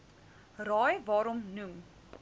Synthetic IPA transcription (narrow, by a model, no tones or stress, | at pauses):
rɑːjvɑːɾɔmnuŋ